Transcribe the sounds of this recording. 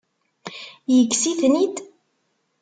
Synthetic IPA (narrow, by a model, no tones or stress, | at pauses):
jəɡsiθnid̪